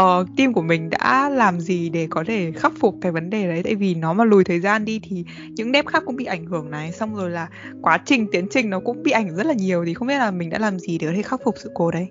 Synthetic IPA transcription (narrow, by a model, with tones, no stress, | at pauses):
ʔəː˨˩t̪i˧mku˧˩əmï˨˩ŋ̟ɗa̰ː˧˥laː˨˩mzi˨˩ɗe˧˩kɔ˨˦t̪ʰe˧˩xaː˦˥fʊ˨˩k͡p̚kaː˧˨˩jvə˨˦nɗe˨˩ɗə˨˦jt̪a̰ː˧˨jvi˨˩nɔ˨˦maː˨˩lu˨˩jt̪ʰəː˨˩jzaː˧nɗi˧t̪ʰi˨˩ | ɲɨ̰˧˥ŋɗɛ˦˥p̚xaː˦˥kːʊ̰˧˥ŋ͡mɓḭ˧˨ʔa˧˩jŋ̟hɨ˧˩əŋna˨˩jsa˧wŋ͡mzo˨˩jlaː˨˩ | kwaː˨˦t͡ɕï˨˩ŋ̟t̪i˨˦ənt͡ɕï˨˩ŋ̟nɔ˨˦kʊ̰˧˥ŋ͡mɓḭ˧˨ʔa˧˩ŋ˨zə˦˥t̚laː˨˩ɲi˨˩əwt̪ʰi˨˩xə˧wŋ͡mɓi˦˥ə˥t̚laː˨˩mï̟˨˩ɗa̰ː˧˥laː˨˩mzi˨˩ɗe˧˩kɔ˨t̪ʰe˧˩xaː˦˥k͡p̚fʊ˨˩k͡p̚sɨ̰˧˨ko˧ɗə˧j